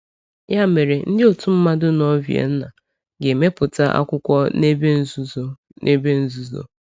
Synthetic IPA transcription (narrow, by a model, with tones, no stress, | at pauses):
ja˦me˨ɾe˨n̩˦dɪ˦o˨tu˦m̩˦ma˦dʊ˦nɔ˦vjḛ˨n̩˦na̰˨ | ɡe˨me˦pʊ˨ta˦ʔa̰˦kʷʊ˦kʷɔ˦ne˦be˦zz | ne˦be˦n̩˦zu˦zo̰˨